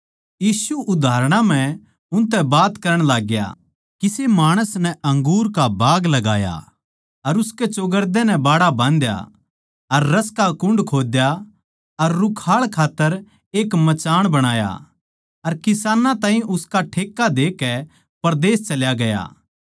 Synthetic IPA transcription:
jiːsuʔʊd̪ʱaːɾɽ̃ãm̤ɛ̃ | ʊ̃nt̪ɛbaːt̪kɐɾəɽ̃laːɡja̰ | kisemaːɽ̃əsnɛʔɐ̃ŋɡuːɾkabaːɡlɐɡaːja̰ | ɐɾʊsket͡ʃoːɡəɾd̪ɛnɛbaːɽabãːnd̪ja̰ | ɐɾːɐskakʊ̃ɳɖkʰoːd̪ja | ɐɾːʊkʰaːɭkʰaːt̪ːəɾ | eːkmɐt͡ʃaːɽ̃bɐɽ̃aːja̰ | ɐɾkɪsaːnãt̪ãːɦĩʔʊskaʈʰeːkːad̪eːkːɛ | pɐɾd̪eːst͡ʃɐljaɡɐja̰ː

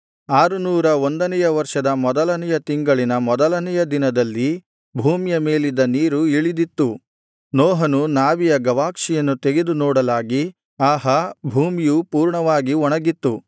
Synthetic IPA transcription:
aːɾunuːɾɐond̪ɐnɛjɐʋɐɾʂɐd̪ɐmɔd̪ɐlɐnɛjɐt̪iŋɡɐɭinɐmɔd̪ɐlɐnɛjɐd̪inɐd̪ɐlːi | bʱuːmjɐme̞ːlid̪ɐniːɾuiɭid̪it̪ːu | nɔːɦɐnunaːʋijɐɡɐʋaːkʂijɐnːut̪eɡed̪unɔːɽɐlaːɡi | aːɦɐbʱuːmijupuːɾɳɐʋaːɡiɔɳɐɡit̪ːu

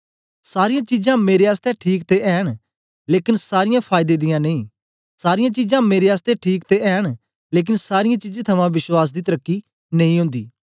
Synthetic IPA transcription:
saːɾɪjãːt͡ʃizãːmeːɾeaːst̪ɛʈʰiːkt̪eʔɛːɽ̃ | leːkɪnsaːɾɪjãpʰaːɪd̪eːd̪ɪjãːneĩː | saːɾɪjãːt͡ʃizãːmeːɾeaːst̪ɛʈʰiːkt̪eɛːɽ̃ | leːk̬ɪnsaːɾɪjãːt͡ʃid͡ʒẽt̪ʰɐmãʋɪswaːs̬d̪iːt̪əɾəkːiː | nɐ̃ĩɦʊ̃ːnd̪iː

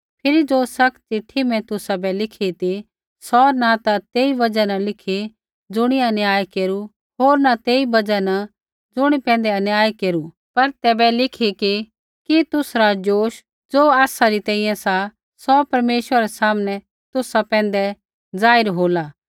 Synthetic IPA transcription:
pʰɪɾid͡zoːsɐkt͡ʃɪʈʰːimɛ̃t̪ʊsabɛlɪkʰit̪i | sɔnat̪at̪eːibɐd͡ʒanalɪkʰi | d͡zʊɽ̃iaɐnjaːjkeːɾu | ɦoːɾnat̪eːibɐd͡ʒana | d͡zʊɽ̃ipɛ̃ːnd̪ɛɐnjaːjkeːɾu | pɐɾt̪ɛːbɛlɪkʰiki | kit̪ʊsɾad͡ʒoːʃ | d͡zoːaːsaɾit̪ɛ̃ːĩːjɛ̃sa | sɔpɐɾmeːʃʋəɾaɾɛsaːmnɛ | t̪ʊsapɛ̃ːnd̪ɛ | d͡zaːɪɾɦoːlaː

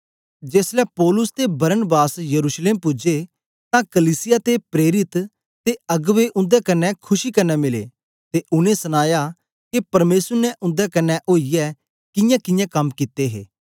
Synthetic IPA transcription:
d͡ʒeːslɛpɔːlʊst̪ebɐɾənbaːsjɐɾuːsleːmpʊd͡ʒe | t̪ãkəliːsɪjat̪epɾeːɾɪt̪ | t̪eɐɡʋeʔʊ̃nd̪ɛkɐnːɛkʰʊʃikɐnːɛmɪlḛː | t̪eʔʊnẽsɐnaːja | kepɐɾmeːsəɾnɛʔʊ̃nd̪ɛkɐnːɛʔoːijɛ | kɪjãkɪjãkɐmkɪt̪ːeɦḛː

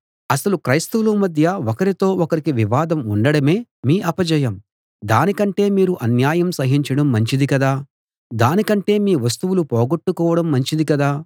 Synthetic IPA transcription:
ɐsɐlukɾɐjst̪ulumɐd̪ʱjɐɔkɐɾit̪o̞ːɔkɐɾikiʋiʋaːd̪ɐmuɳɖɐɽɐme̞ːmiːʔɐpɐd͡ʒɐjɐm | d̪aːnikɐɳʈe̞ːmiːɾuʔɐnjaːjɐmsɐɦiɲt͡ʃɐɽɐmːɐɲt͡ʃid̪ikɐd̪aː | d̪aːnikɐɳʈe̞ːmiːʋɐs̬t̪uʋulupɔːɡoʈːukɔːʋɐɽɐmːɐɲt͡ʃid̪ikɐd̪aː

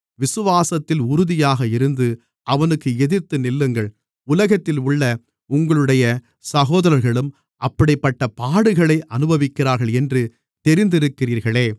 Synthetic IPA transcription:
ʋɪsɯʋaːsɐt̪ːɪlʊɾʊðɪjaːɣɐɪɾɯnd̪ɯ | ʔɐʋɐnɯkːɯɛðɪɾt̪ːɯnɪlːɯŋɡɐɭ | ʊlɐɣɐt̪ːɪlʊɭːɐ | ʊŋɡɐɭɯɽɐjɐ | sɐɣoːðɐɾɐɾɣɐɭɯm | ʔɐpːɐɽɪpːɐʈːɐpaːɽɯɣɐɭɐɪʔɐnɯbɐʋɪkːɪɾaːɾɣɐɭɛndrɯ | t̪ɛɾɪnd̪ɪɾɯkːɪriːɾɣɐɭeː

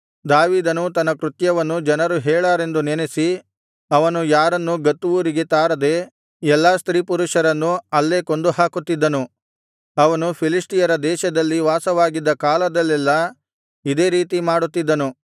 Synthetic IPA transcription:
d̪aːʋiːd̪ɐnut̪ɐnːɐkɾut̪jɐʋɐnːud͡ʒɐnɐɾuɦɛːɭaːɾe̞nd̪unenesi | ɐʋɐnujaːɾɐnːuɡɐt̪ːuʋuɾiɡe̞t̪aːɾɐd̪e̞ | ɛlːaːst̪ɾiːpuɾuʃɐɾɐnːuɐlːe̞ːko̞nd̪uhaːkut̪ːid̪ːɐnu | ɐʋɐnupʰilisʈijɐɾɐd̪ɛːʃɐd̪ɐlːiʋaːsɐʋaːɡid̪ːɐkaːlɐd̪ɐlːɛlːɐ | id̪e̞ːɾiːt̪imaːɽut̪ːid̪ːɐnu

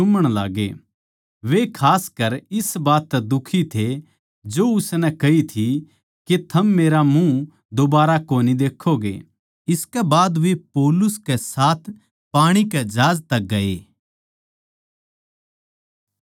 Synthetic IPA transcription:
t͡ʃʊməɽ̃la̰ːɡḛ | ʋekʰaːskɐɾɪsbaːt̪ːɛd̪ʊkʰit̪ʰe | d͡ʒoːʊsnɛkɐit̪ʰi | ket̪ʰɐmːeːɾamũ | d̪obaːɾakoːnid̪eːkʰːoɡḛ | ɪskɛbaːd̪ʋepɔːlʊskɛsaːt̪ʰ | paːɽ̃ikɛd͡ʒaːd͡ʒt̪ɐɡɐḛː

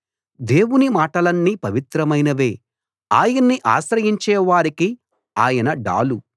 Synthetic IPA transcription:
d̪e̞ːwunimaːʈɐlɐnːiːpɐʋit̪ɾɐmɐjnɐʋe̞ː | aːjɐnːiʔa̰ːʃɾɐjiɲt͡ʃɛːʋaːɾiki | aːjɐnɐɖa̰ːlu

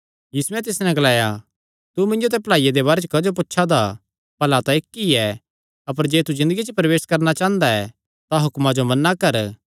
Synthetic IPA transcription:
jiːsuɛ̃t̪̬ɪsnɛ̃ɡɐlaːja | t̪umɪ̃nd͡ʒot̪̬ɛplaːijed̪eβaːɾet͡ʃkɐd͡ʒop̬ʊtːʃʰad̪a | pɐlat̪aeːkːiɛ | ɐp̬əɾd͡ʒeːt̪uzɪ̃nd̪əɡit͡ʃəpɾɐʋeːskɐɾnat͡ʃãːə̃nd̪aɛ | t̪aɦʊkmãd͡ʒomɐnːakɐɾ

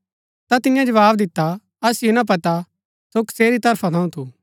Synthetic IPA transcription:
t̪at̪ɪjãd͡ʒɐʋaːbd̪ɪt̪ːa | ɐsɪjonãp̬ɐt̪a | sokseːɾit̪ɐɾpʰat̪ʰɐ̃ũt̪ʰuː

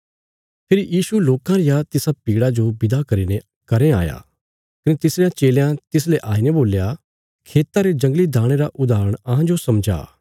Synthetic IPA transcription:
pʰɪɾijiːsuloːkãɾɪjat̪ɪsapiːɽad͡ʒobɪd̪akɐɾiːne | kɐɾea̰ːja̰ː | kɐnet̪ɪsɾejãt͡ʃeːljãt̪ɪs̬leʔaːineboːlja | kʰeːt̪aɾed͡ʒɐ̃ŋɡlid̪ʱaːɽ̃eɾaʔʊd̪aːɾəɽ̃ɐɦãd͡ʒosɐmd͡ʒa̰ː

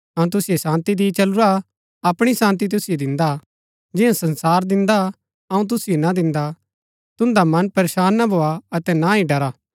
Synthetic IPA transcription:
ɐũt̪̬ʊsijesãːnt̪id̪it͡ʃɐlʊɾa | ɐpɽ̃isãːnt̪it̪̬ʊsɪjed̪ɪ̃nd̪a | d͡ʒɪãsɐ̃nsaːɾd̪ɪ̃nd̪a | ɐũt̪̬ʊsijenad̪ɪ̃nd̪a | t̪ʊ̃nd̪amɐnpɐɾeːʃaːnːabʱoːaɐt̪ɛnaĩɖɐɾaː

